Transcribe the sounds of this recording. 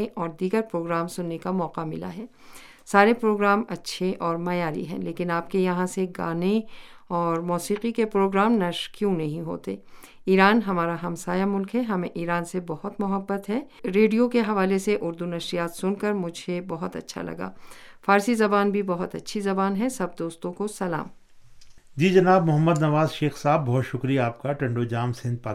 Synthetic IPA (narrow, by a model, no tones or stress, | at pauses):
ʔɔːɾd̪iːɡəɾpɾoːɡɾaːmsʊnːekamɔːqamɪla̰ɦɛː | saːɾepɾoːɡɾaːmɐtːʃʰeʔɔːɾmɐjaːɾḭɦɛ̰̃ːleːkɪnaːp̚kejɐɦãseɡa̰ːne | ɔːɾmɔːsiːqikepɾoːɡɾaːmnɐʃɾkjũnɐɦĩɦo̰ːt̪ḛː | iːɾaːnɦɐmaːɾaɦɐmsaːjamʊlkɦɛɦɐmḛ̃ʔiːɾaːnsebɐɦʊt̪mʊɦəbːət̪ɦɛːɾeːɖijokeɦɐʋaːleseʔʊɾd̪unɐʃɾijaːt̪sʊnkɐɾmʊd͡ʒʱebɐɦʊt̪ɐ̰tːʃʰa̰lɐ̰ɡa̰ːfaːɾsizɐbaːnbʱibɐɦʊt̪ɐ̰tːʃʰizɐbaːnɦɛsɐb̚d̪oːst̪õkosɐla̰ːm | d͡ʒiːd͡ʒɐnaːb̚mʊɦəmːəd̪nɐʋaːzʃeːxsaːbːɔɦt̪ʃʊkɾijaːp̚kaʈɐ̃ɳɖod͡ʒaːmsɪ̃nd̪̚pa